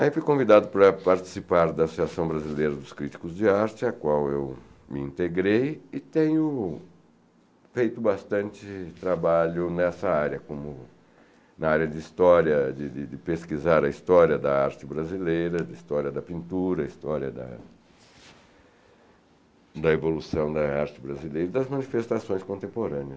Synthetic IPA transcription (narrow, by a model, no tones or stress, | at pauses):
aifujkõvid̪ad̪ʊpɾɐpaɾt͡ʃi̥sipaɾd̪ɐasosiasɐ̃w̃bɾazilejɾɐd̪ʊskɾit͡ʃi̥kʊzd͡ʒɪaɾt͡ʃɪɐkwawewmɪĩnt̪eɡɾejɪt̪ẽɲʊ | fejt̪ʊbast̪ɐ̃nt͡ʃ̪ɪt̪ɾabaʎʊnɛsɐaɾjɐkõmʊ | nɐaɾjɐd͡ʒ̪ɪist̪ɔɾjɐd͡ʒ̪ɪd̪ɪd̪ɪpeskizaɾɐist̪ɔɾjɐd̪ɐaɾt͡ʃɪbɾazilejɾɐd̪ɐist̪ɔɾjɐd̪ɐpĩnt̪uɾɐist̪ɔɾjɐd̪ɐ̰ | d̪ɐevolusɐ̃w̃d̪ɐaɾt͡ʃɪbɾazilejɾɐɪd̪ɐzmɐ̃nifest̪asõj̃skõnt̪ẽmpoɾɐ̃nɪɐs